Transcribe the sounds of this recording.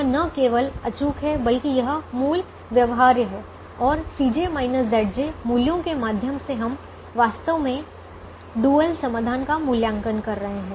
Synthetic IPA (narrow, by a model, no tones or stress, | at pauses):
nɐkeːʋəlɐt͡ʃuːkɦɛbɐlkijɐɦmuːl | ʋjɐʋɦaːɾjəɦɛː | ɔːɾsiːd͡ʒemaːɪnəsd̪ɛːɽd͡ʒemuːljõkemaːd̪ʱjəmseɦɐm | ʋaːst̪əʋmẽ | ɖuːəlsɐmaːd̪ʱaːnkamuːljãːŋkənkɐɾːɐɦeɦɛ̃ː